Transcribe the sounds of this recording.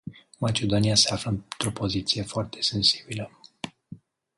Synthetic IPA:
mat͡ʃe̞d̪o̞niase̞afləɨnt̪ɾo̞po̞zit̪sije̞foart̪ʰe̞se̞nsi̥bilə

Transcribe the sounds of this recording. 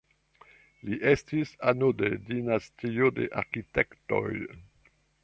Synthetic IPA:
liʔestisanode̞dinastio̞de̞ʔa̰ɾkitekto̞̰j

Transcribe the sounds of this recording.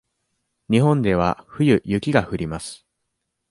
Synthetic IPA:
ɲ̟iɦõ̞nd̪e̞β̞a̰ɸɯ̟jɯ̟jɯ̟kʲiɡahɯ̟ɾʲimasɨ̥

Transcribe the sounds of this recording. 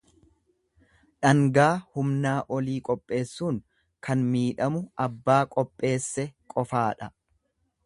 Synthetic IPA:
ᶑɐŋɡaːhʊmnaːʔɔliːkʼɔpʼːe̞ːsːuːŋ | kɐnmiːᶑɐmʊʔɐbːaːkʼɔpʼːe̞ːsːɛkʼɔfaːᶑɐ

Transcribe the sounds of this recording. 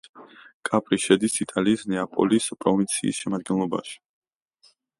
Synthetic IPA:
kʼapʼɾiʃɛd̪isit̪ʼaliːsnɛapʼɔ̰lispʼɾɔvint̪sʰḭːsʃɛmad̪̚ɡɛnlˠɔba̰ʃi̥

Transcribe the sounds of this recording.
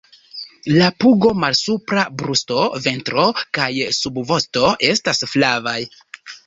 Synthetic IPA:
lapuɡo̞malsupɾabɾusto̞ve̞ntɾo̞kajsubvo̞sto̞ʔe̞stasflavaj

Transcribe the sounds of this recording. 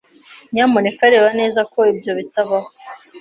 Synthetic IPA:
ɲaːmone̞kaɾe̞ːβane̞ːzako̞ibjo̞βitaβaho

